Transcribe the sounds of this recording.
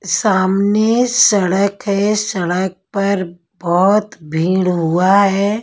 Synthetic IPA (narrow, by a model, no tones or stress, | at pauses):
saːmnesɐɽəkɦɛsɐɽək̚pɐɾ | bɔɦʊt̪bʱiːɽɦuaɦɛː